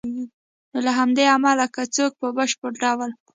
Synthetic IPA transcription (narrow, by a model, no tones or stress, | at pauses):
ɡi | nolaɦamd̪eamalakat͡sok̚pəbəʃpəɽɾɑwəl